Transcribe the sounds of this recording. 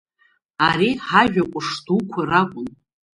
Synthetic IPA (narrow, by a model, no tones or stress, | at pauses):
aɾiħaʒᶣakʷʼʊʂdukʷʰarakʷʼʊn